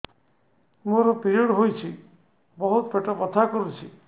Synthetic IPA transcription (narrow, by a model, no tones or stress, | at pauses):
muɔɾɔpiɾiɔɽɦojt͡ʃʰi | bɔɦut̪peʈɔpɔt̪ʰakɔɾut͡ʃʰi